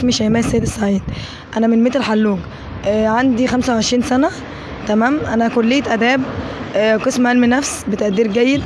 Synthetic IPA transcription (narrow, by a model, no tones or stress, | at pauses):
miʃæmæːsːæjːd̪esˤːaʕiːd̪ | ʔænæmenmet̪elħalːuːɡ | ʕand̪ixæmsæwʕeʃɾiːnsænæ | t̪æmæːmʔænækolːejːæt̪ʔæd̪æːb̚ | qesmʕælminæfsbet̪æʔd̪iːɾɡæjːed̪